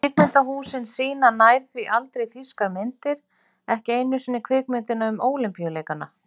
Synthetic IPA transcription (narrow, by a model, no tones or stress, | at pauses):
ɪkmɪnt̪aɦuːsɪnsiːnanaːjɾ̥θviʔalt̪ɾejθiskaɾmɪnt̪ɪɾ̥ | ɛhcɪeːjnːʏsinːɪkʰvɪːkmɪnt̪ɪnaʏmoːwlɪmpijaleːjkanːa̰